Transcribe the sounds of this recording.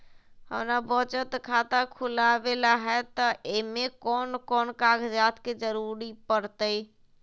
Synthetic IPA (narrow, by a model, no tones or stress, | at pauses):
hə̰mnabɔt͡ʃət̪kʰat̪akʰulabelaɦɛt̪ɔʔemekɔːnkɔːnkaɡd͡ʒaːt̪ked͡ʒəɾuɾipəɾt̪əj